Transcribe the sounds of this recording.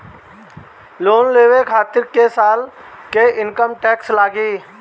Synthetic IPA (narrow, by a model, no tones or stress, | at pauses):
loːnleːʋeːkʰaːt̪ɪɾkeːsaːl | keːɪnkəmʈɛːkslaːɡiː